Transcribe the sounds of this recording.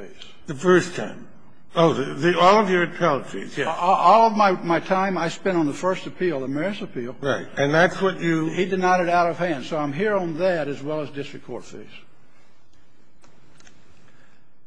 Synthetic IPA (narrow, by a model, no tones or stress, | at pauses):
ez̥ðɨfɜ˞stʰã̰ɪ̃m | oʊðɨðiɔlˠʌvjə˞ɨtʰɛlˠəfḭzjɛʔɔlˠʌvmaɪmaɪtʰãɪ̃maɪspɛ̃ñn̩ðəfɜ˞stɨpʰilˠðəmɛɹsɨpʰilˠɹaɪt̚ɨ̃nðætswʌt͡ʃɨhidɨnaɪɾɨɾaʊɾʌv̥hæ̃nd̥soʊãɪ̃mɦiɹə̃nðɨɾɨzwɛlˠəzdɪstɹ̥ɨkʰɔ̰ɹfḛz̥